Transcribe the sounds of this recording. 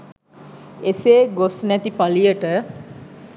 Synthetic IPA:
eseːɡosnæt̪ipalijəʈə

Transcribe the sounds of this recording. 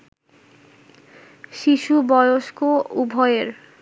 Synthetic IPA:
ʃiʃubɔjoʃkoubʱɔjeɾ

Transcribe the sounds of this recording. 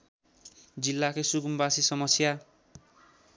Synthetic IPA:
d͡zilːakojsuɡumbasisʌmʌsja

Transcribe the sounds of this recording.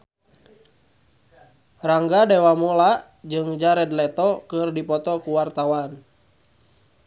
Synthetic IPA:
raŋɡadɛwamulaʔ | d͡ʒɨŋd͡ʒaɾɛdlɛt̪ɔkɨrdipɔt̪ɔkuwart̪awan

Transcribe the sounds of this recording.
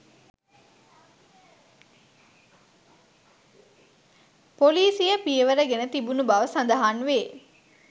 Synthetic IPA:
poliːsijəpiəʋəɾəɡenət̪ibunubaʋəsɐnd̪ɐɦanʋeː

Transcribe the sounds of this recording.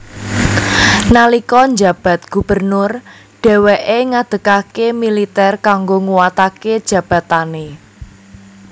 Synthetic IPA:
nalikɔɲd͡ʒä̤b̥a̤t̪̚ɡ̥ṳb̥ərnʊr | ɖ̥ɛ̤weʔeŋad̪̥ə̤kakemilit̪ɛrkaŋɡoŋuwat̪aked̥ʒ̥ä̤b̥ä̤t̪ane

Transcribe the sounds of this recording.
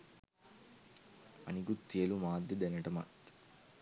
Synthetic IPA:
ɐ̰niɡut̪ːijɐlumaːd̪ɐd̪ɐnɐʈɐmɐʈ̪

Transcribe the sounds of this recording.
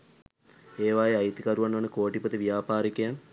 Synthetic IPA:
eːʋaːjeajit̪ikaɾuʋanʋənəkoːʈipət̪əʋijaːpaːɾikejan

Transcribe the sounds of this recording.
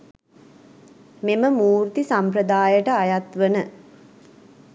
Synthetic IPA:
meməmuːɾt̪isampɾəd̪aːjəʈəajat̪ʋənə

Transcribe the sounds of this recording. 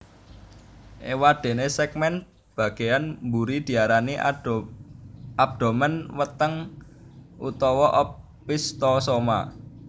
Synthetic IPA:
ʔewad̪̥e̤nesɛk̚mɛn̚ | b̥ä̤ɡ̥e̤janmbuɾid̪̥i̤aɾani | ab̚d̪̥o̤mənwət̪əŋ | ʔṵt̪ɔwɔʔɔpː | ist̪ɔsoma̰

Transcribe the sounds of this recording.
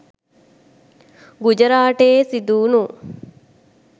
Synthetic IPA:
ɡud͡ʒɐɾaːʈeːsid̪uːnu

